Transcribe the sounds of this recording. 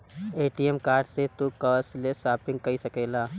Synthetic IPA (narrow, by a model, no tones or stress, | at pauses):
eːʈijemkaːɾɖset̪ukəːslesaːpɪ̃ŋɡ̚kɐisɐkeːlaː